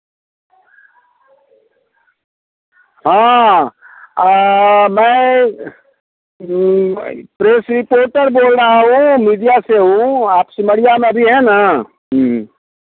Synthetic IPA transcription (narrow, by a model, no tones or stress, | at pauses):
ɦãː | mɛ̃ː | pɾeːsɾɪpoːɾʈəɾboːlɾaɦũmiːɖijaseɦũaːpsɪməɽijamẽɐbʱiɦɛ̃na